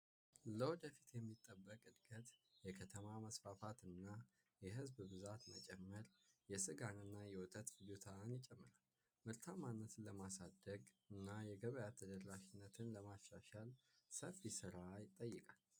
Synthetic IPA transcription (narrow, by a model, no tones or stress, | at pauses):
ləwɔd̪əfi̥t̪jɛmːit̪ʼːəbːəkʼɨd̪ɡət̪jɛkʰət̪ʰəmaməsfafat̪ɨnːa | jɛɦɨzbbɨzat̪mət͡ʃʼɛmːəɾjɛsɨɡanɨnːajɛwɔt̪ʼət̪fɨd͡ʒut̪ʰanjɪt͡ʃʼɛmːɨɾal | mɨɾt̪ʰamanːət̪ləmasad̪əɡɨnːajɛɡəβəjat̪ʰəd̪ərːaʃinːət̪ʰɨnləmaʃːaʃalsəfisɨɾajɪt̪ʼəjːɨkʼal